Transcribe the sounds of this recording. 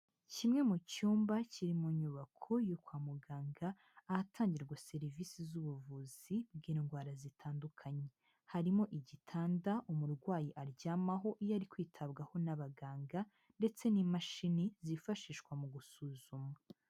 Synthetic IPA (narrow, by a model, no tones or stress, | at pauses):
cimŋe̞mucuːmbaciɾimuɲuβakʰo̞jukwaːmuɡaːŋɡaː | hatʰaːɲɟiɾɡwase̞ɾivisizuβuvuz̥ibɡiɾiŋɡwaːɾazitʰaːndukʰaɲe | haɾimo̞ʔiɟitʰaːndaʔumuɾɡwaːjiʔaɾɟaːmaɦo̞ʔijaɾikwiːtʰabɡaho̞naβaɡaːŋɡa | nde̞t͡se̞nimaʃinizifaʃiːʃkwamuɡusuzuma